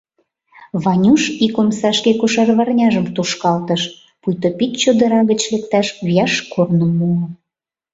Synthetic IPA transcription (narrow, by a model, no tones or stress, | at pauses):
βɑnʲuʃikomsɑʃkekuʃɑrβɑrnʲɑʒəmt̪uʃkɑlt̪əʃ | pujt̪opit̪t͡ɕod̪əɾɑɣət͡ɕlek̚t̪ɑʃβijɑʃkʰornəmːuə